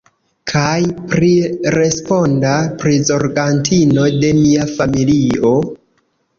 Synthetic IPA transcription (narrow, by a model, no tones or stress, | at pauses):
kʰajpɾiɾe̞spo̞ndapɾizo̞ɾɡantʰino̞de̞miafamilio̞